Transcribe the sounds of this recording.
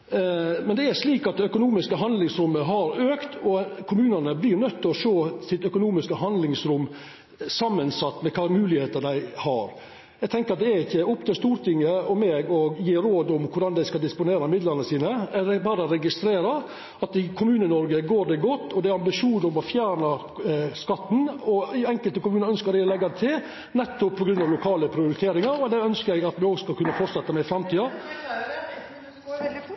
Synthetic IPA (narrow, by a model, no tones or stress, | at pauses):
mɛnd̪ɛæɾʂliːkɑt̪̚d̪ɛœkʊnuːmɪskəɦɑnd̪lɪŋsɾʊmːəɦɑɾøːkt̪ʰɔkʰʊmʉːnənəblɪɾnœt̪ːɪɔʂoːsɪt̪œkʊnuːmɪskəɦɑnd̪lɪŋsɾʊmː | sɑmːənsɑt̪ːmɛkʰɑːmʉːlɪheːt̪əd̪æɪhɑɾ | jɛɡt̪ʰɛŋkəɾɑt̪̚d̪ɛæɾɪçːəɔpt̪ʰɪlst̪uːɾt̪ʰɪŋːəɔmeːɡɔjiːɾoːd̪ʊmkʰʊɖɑnd̪æɪskɑld̪ɪspʊneːɾɑmɪd̪ləɾnəsiːnəæɖɛbɑːɾəɾɛɡɪst̪ɾeːɾɑ | ɑt̪ɪkʰʊmʉːnənɔɾɡəɡoːɾd̪ɛɡɔt̪ːɔd̪ɛæɾɑmbɪʂuːnɔmɔfjæːɳɑ | skɑt̪ːn̩ɔɪɛŋkəlt̪əkʊmʉːnəɾœnskəɾæɪɔlɛɡːɑt̪ʰɪl | nɛt̪ːʊppʰːɔɡɾʉnd̪ɑʋlʊkʰɑːləpʰɾɪʊɾɪt̪ʰeːɾɪŋɑɾɔd̪æœnskəɾæɡɑt̪mɛoːɡskɑlkʉnːəfɔʈsɛt̪ːəmæɪfɾɑmt̪ʰiːɑ